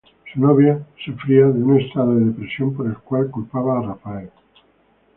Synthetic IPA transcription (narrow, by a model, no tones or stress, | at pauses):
sunoβjasefɾiaðeunest̪aðoðeðepɾesjompoɾelkwalkulpaβaːrafae